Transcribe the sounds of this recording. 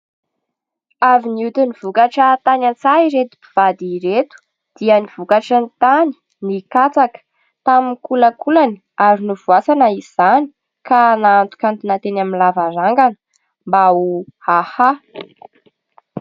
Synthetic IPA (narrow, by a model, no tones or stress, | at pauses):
aviniut̪univ̥ukaʈ͡ʂət̪anant͡saiɾet̪i̥pi̥v̥ad̪iɾet̪u̥ | d̪̥iəniv̥ukaʈ͡ʂənt̪ani̥ | nikat͡sakə̥ | t̪aminkuləkʰulani | aɾinuvuasanəiz̥ani̥ | kanaant̪u̥kant̪unat̪enaminlavaɾaŋɡan | mbauhaha